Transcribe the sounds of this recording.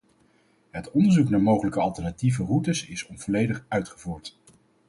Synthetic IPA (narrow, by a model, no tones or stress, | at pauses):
ɦətɔndəɹzuknaːɹmowχələkəɑlˠtɛnativərutəsɪsɔnv̥ɔlejdəχœɥtχəvuːɹt